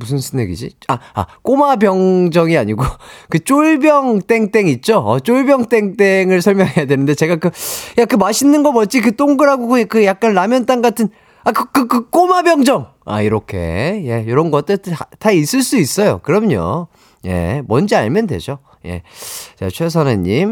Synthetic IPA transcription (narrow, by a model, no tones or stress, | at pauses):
mus̬ʰɯnsʰɯnːeɡḭd͡ʑḭa̰a̰k͈omabjʌŋd͡ʑʌŋiaɲiɡokɯt͡ɕ͈oɭbjʌŋt͈e̞ŋt͈e̞ŋit̚t͡ɕ͈oʌ̰t͡ɕ͈oɭbjʌŋt͈e̞ŋt͈e̞ŋɯɭsʰʌɭmjʌŋɦe̞jadwenɯndet͡ɕe̞ɡakɯjakɯmaɕʰinːɯnɡʌmʌt͡ɕ͈ik̬ɯt͈oŋɡɯɾɦaɡoɡokɯjak̚k͈anɾamjʌnt͈aŋɡatʰɯn | akɯkɯkɯk͈omabjʌŋd͡ʑʌŋ | a̰iɾʌkʰe̞̰je̞joɾʌnɡʌt͈ɯtʰais͈ɯɭs͈uis͈ʌjo̰kɯɾʌmɲo̰ | je̞̰mʌnd͡ʑia̰ɭmjʌndwe̞̰d͡ʑo | je̞̰t͡ɕa̰t͡ɕʰwe̞s̬ʰanaɲːim